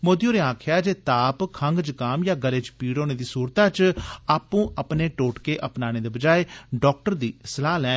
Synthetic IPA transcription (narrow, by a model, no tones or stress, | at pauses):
moːd̪ijoːɾeːãːkʰjaːd͡ʒeːt̪aːpkʰəŋɡd͡ʒəkaːmjaːɡəleːd͡ʒpiːɽoːneːd̪iːsuːɾt̪ãːt͡ʃaːpːũːʔəpneːʈoːʈkeːʔəpnaːñeːd̪eːbəd͡ʒaːeːɖɔːk̚ʈəɾd̪iːslaːlɛ̃ː